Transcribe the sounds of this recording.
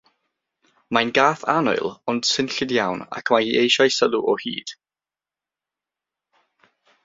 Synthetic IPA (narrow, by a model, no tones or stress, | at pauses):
majnɡaːθanɔ̰ɨlˠɔnd̥sɪnɬɪdjawna̰kʰmajhiːʔejʃajsəluʔɔhḭːd̥